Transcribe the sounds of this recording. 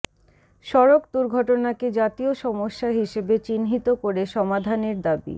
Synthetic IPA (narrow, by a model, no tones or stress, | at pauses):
ʃɔɾokd̪uɾɡʱɔʈonaked͡ʑat̪ioʃɔmoʃːaɦiʃebet͡ɕinɦit̪okoɾeʃɔmad̪ʱaneɾd̪abḭ